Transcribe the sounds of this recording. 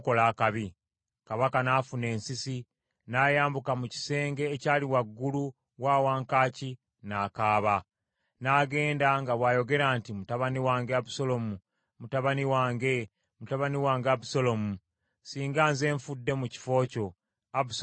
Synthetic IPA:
ko̞laːkaβi | kaβakanaːfune̞ːnsisi | naːjaːmbukamuci̥se̞ːŋɡe̞ːcaːliwaɡːulu | waːwaːŋkaːci | naːkaːβa | naːɡe̞ːndaŋɡaβwaːjo̞ɡe̞ɾaːntimutaβaniwaːŋɡeabuso̞lo̞mu | mutaβaniwaːŋɡe̞ | mutaβaniwaːŋɡeabuso̞lo̞mu | siːŋɡaːnze̞ːɱfudːe̞muci̥fo̞ːco̞ | abus

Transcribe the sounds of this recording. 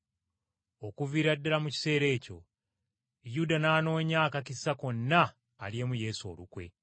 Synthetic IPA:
o̞kuviːɾadːalamuci̥se̞ːɾe̞ːco̞̰ | judanaːno̞ːɲaːkacisako̞nːaː | lje̞muje̞ːso̞̰ːlukwe̞̰

